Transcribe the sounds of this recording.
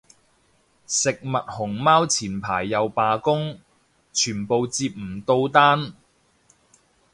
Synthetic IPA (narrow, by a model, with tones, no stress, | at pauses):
sɪ˨k̚mɐ˨t̚hʊ˨˩ŋmaː˥wt͡sʰiː˨˩npʰa̰ː˨˩jːɐ˨wpaː˨˧kʊ˥ŋ | t͡ʃʰyː˨˩npo˨˧wt͡siː˧p̚m̩˨˩t̪o˧wt̪aː˥n